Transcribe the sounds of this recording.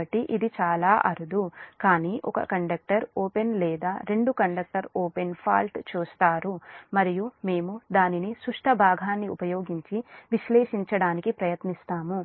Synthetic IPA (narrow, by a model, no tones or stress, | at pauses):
ɐʈːiʔid̪it͡ʃaːlaːʔɐɾud̪ukaːniːʔɔkɐ̰kɐɳɖɐk̚ʈɐɾoːpe̞nlɛːd̪aːɾe̞ɳɖukɐɳɖɐk̚ʈɐɾoːpe̞npʰa̰ːlʈt͡ʃuːst̪aːɾumɐɾijume̞ːmud̪aːninisɾuʂʈʰɐbʱaːɡʱaːnːiupɐjo̞ːɡiɲt͡ʃiʋiʃleːʂiɲt͡ʃɐɽaːnikipɾɐjɐt̪nist̪aːmu